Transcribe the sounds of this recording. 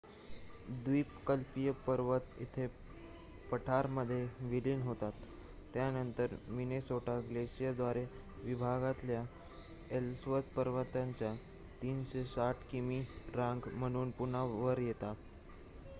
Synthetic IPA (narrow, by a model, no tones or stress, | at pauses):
d̪ʋiːpkəlpijəpəɾʋət̪it̪ʰe | pəʈʰaɾməd̪ʱːjeʋiliːnɦot̪at̪ː | janənt̪əɾminesoʈʰaɡleɕijad̪ʋaɾe | ʋibʱaɡat̪lja | elsʋət̪pəɾʋət̪aɲt͡ɕja | t̪iːnɕesaʈʰkimiɾaŋɡm̤əɽ̃uːnpunaʋəɾjet̪at̪